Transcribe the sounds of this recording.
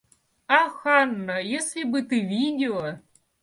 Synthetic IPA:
axanːɐjɛslʲibɨt̪ɨvʲidʲɪlɔ

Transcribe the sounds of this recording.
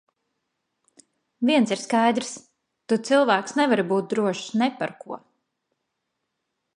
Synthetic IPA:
viɛnsiɾskajd̪ɾs | t̪ut̪silˠvæːksnɛvaɾbuːt̪̚d̪ɾuɔʃsnɛpaɾkuɔ

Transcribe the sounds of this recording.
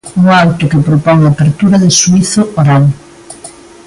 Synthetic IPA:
uŋawt̪ʊkɪpɾopɔŋapeɾt̪uɾɐðɪsuiθʊʔoɾal

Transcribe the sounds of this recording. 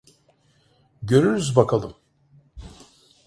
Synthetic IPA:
ɟø̞ɾyɾyzbakʰalˠɯm

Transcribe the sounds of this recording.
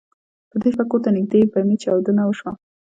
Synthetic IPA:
pəd̪efakot̪anɪɡ̚d̪ebamit͡ʃawd̪ənawəʃwa

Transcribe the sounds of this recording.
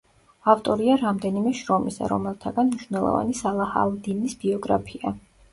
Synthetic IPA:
aft̪ʼɔɾiaɾamd̪ɛnimɛʃɾɔmisa̰ɾɔ̰mɛlˠt̪ʰaɡanmniʃvnɛlˠɔ̰va̰nisalˠaha̰lˠd̪inisb̥iɔɡɾapʰia

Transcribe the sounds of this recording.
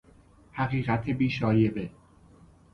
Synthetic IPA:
hæɣiːɣæt̪ʰebiːʃɒːjebe

